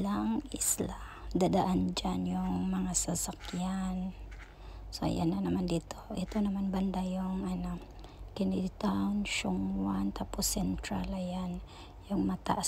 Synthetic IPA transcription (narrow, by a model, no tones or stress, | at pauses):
laŋʔɪ̰slad̪ad̪aʔand͡ʒanjʊŋmɐŋasasakjan | sa̰ja̰nanɐmand̪iːt̪ʰoʔɛt̪onɐmanband̪ajʊŋɐna | kɪnɪd̪t̪awnʃʊŋwant̪aposɛnt̪ɾalajan | jʊŋmat̪a̰ʔa